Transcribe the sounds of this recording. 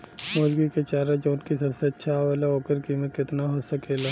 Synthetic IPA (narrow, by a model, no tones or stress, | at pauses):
moːd͡ʒɡiket͡ʃaːɾed͡ʒoʊnkisɐbseətːʃʰaʋalaoːkəɾkimə̃kɪt̪naɦoːsəkeːla